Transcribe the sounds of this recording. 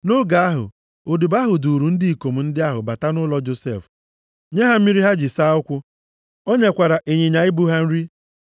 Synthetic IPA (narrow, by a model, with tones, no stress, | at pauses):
nʊ˦ɡa˨a˦ɦʊ̰˨ | o˨du˨ba˦ɦʊ˨du˨ɾu˨n̩˦dɪ˦i˨ko˨m̩˨n̩˦dɪ˦a˦ɦʊ̰˨ba˨ta˦nʊ˦lɔ˦d͡ʒo˦sḛ˦˨f | ɲe˦ɦa˦m̩˦mi˦ɾi˦ɦa˦d͡ʒɪ˨sa˦ʊ˦kʷʊ˦ | o˦ɲe˦kʷa˨ɾa˨ʔe˨ɲe˨ɲa˨ɪ˦bu˦ɦa˦n̩˦ɾi˦